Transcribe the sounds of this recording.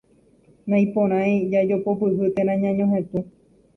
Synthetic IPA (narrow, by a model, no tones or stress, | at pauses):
nãĩpõɾ̃ãj̃d͡ʒad͡ʒopopɨhɨt̪ẽɾnãɲãɲõɦẽt̪u